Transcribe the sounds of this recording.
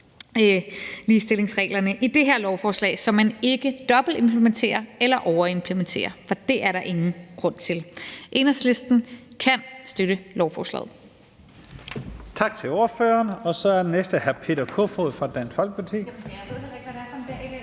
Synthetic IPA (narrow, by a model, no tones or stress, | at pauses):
liːsd̥e̝le̝ŋsʁɛ̰ːlɐnəʔid̥e̝ɦeɐ̰lɒʊfɒːslɛ̰ːsɒ̽mːæne̝ɡ̥əd̥ɒ̽b̥l̩de̝mpʰlement͡sʰe̝̰ːɐelɐʔɒʊɐe̝mpʰlement͡sʰe̝̰ːɐfɒ̽d̥e̝ʔæɐɾɑ̈ʔe̝ŋn̩ɡ̥ʁɔ̽n̰t͡sʰe̝lʔe̝nɐsle̝sd̥n̩kʰænsd̥øɾəlɒʊfɒ̰ːslɛ̰ːð̩ˠ | t͡sʰɑ̈ɡ̥̚t͡sʰe̝lo̝ɐføːɐnɒ̽sɒ̽æɐd̥enesd̥əhæɐpʰe̝̰ːd̥ɐkʰo̰foðˠfʁɑ̈d̥æn̰sfɒ̽lɡ̥ə̥pʰɑt͡sʰḭː